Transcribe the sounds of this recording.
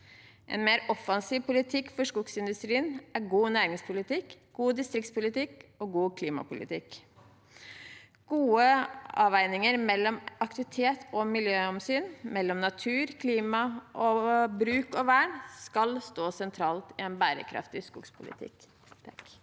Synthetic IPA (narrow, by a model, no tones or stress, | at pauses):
ʔɛ̰nmeːɾɔfɑnsiːʋpʊlɪt̪ʰɪkːfɔʂkʊksɪnd̪ʉst̪ɾiːənæɾɡuːnæːɾɪŋspʰʊlɪt̪ɪk | ɡ̥uːd̪ɪst̪ɾɪkt̪spʊlɪt̪ɪkɔɡuːkʰliːmɑ̰pʊlɪ̰t̪ʰɪk | ɡ̥uːəɑːʋæɪnɪŋəɾmɛlːɔmɑk̚t̪ɪʋɪt̪ʰeːt̪ʰɔmɪljøːɔmsyːnmɛlːɔmnɑt̪ʰʉːɾkʰliːmɑʔɔbɾʉːkɔʋæːɳskɑlst̪oːsɛnt̪ʰɾɑːlt̪ɪɛnbæːɾə̰kʰɾɑ̰ft̪ɪskʊkspʰʊlɪ̰t̪ʰɪ̰k